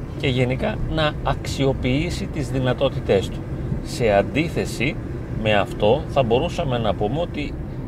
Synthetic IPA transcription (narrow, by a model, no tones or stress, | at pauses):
ce̞ʝe̞nikɐnɐɐksio̞piisit̪izðinɐt̪o̞t̪it̪e̞st̪u̥se̞ɐnd̪iθe̞si | me̞ɐft̪o̞θɐbo̞ɾusɐme̞nɐpume̞o̞t̪i